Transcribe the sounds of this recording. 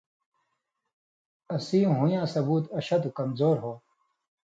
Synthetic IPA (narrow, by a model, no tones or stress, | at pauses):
ɐsĩːɦujãːsɐbuːt̪ɐɕɐd̪ukɐmzoːɾɦoː